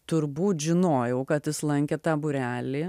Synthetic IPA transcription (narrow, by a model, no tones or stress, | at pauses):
t̪ʊɾbuːt̪ʒʲɪnoːjɛʊkɐt̪ɪslˠɐŋʲkʲet̪ɑːbʊɾʲæːlʲiː